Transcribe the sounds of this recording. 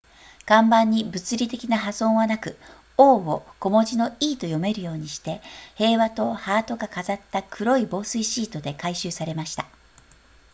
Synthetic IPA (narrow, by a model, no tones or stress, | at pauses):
ɡ̥ãmbãɲ̟ːibɯ̟t͡sɨɾʲit̪e̞kʲinaɦazõ̞ɰ̃βanakɯ̟ | oːoko̞mo̞ʑino̞iːt̪o̞jo̞me̞ɾɯ̟jo̞ːɲ̟iɕi̥t̪e̞he̞ːβat̪o̞haːt̪o̞ɡakazat̪ːakʰɯ̟ɾo̞ibo̞ːsɨiɕiːt̪o̞d̪e̞kaiɕɨːsaɾe̞maɕi̥t̪a